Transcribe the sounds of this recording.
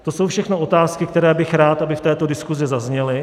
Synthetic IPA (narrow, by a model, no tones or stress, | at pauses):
t̪o̞so̞wfʃɛxno̞ʔo̞t̪aːskɪk̚t̪ɛɾɛːbɪxɾaːt̪ʔabɪft̪ɛːt̪o̞dɪskuzɪzazɲɛlɪ